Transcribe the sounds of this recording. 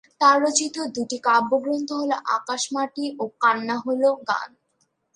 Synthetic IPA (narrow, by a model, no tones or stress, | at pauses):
t̪aɾːot͡ɕit̪od̪uʈikabːoɡɾont̪oɦoloʔa̰kaʃmaʈiʔokanːaɦoloɡa̰n